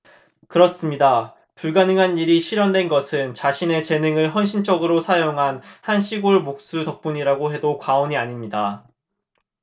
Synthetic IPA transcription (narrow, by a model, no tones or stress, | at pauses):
kɯɾʌs͈ɯmɲida | puɭɡanɯŋɦaniɾiɕʰiɾjʌndwe̞nɡʌsʰɯnt͡ɕaɕʰine̞t͡ɕe̞nɯŋɯɭɦʌnɕʰint͡ɕ͈ʌɡɯɾosʰajoŋɦanhanɕʰiɡoɭmok̚s͈utʌk̚p͈uɲiɾaɡoɦe̞dokwaoɲiaɲimɲida